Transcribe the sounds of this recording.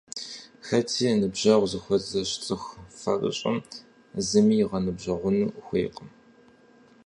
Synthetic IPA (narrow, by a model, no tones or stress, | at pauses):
xɐtʰiːnɨbʑɐʁʷzɨxʷɔzɐɕt͡sʼɨxfɐ̰rɨ̰ɕʼɐ̰m | zɨmiːʁɐnɨbʒʑɐʁʷʊnuːxʷḛːqəm